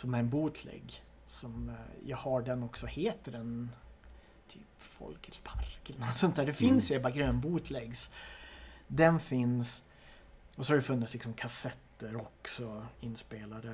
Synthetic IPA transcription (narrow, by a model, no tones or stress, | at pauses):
sɔmæɾɛnbuːt̪ʰlɛ̰ɡː | sɔmjɑ̰ːɡhaɖɛnɔksɔheːt̪əɾɛn | t̪ʰyːpfɔ̰lkʰəspʰaɾkɛlənɔt̪sɔnt̪ʰæːɖɛfɪnsjabaɡɾøːnbuːt̪ʰlɛɡs | d̪ɛnfɪns | ɔsɔhaɖɛfɵnːɪt̪slɪksɔmkʰasɛt̪ːəɾɔksɔɪnːspeːlaɾə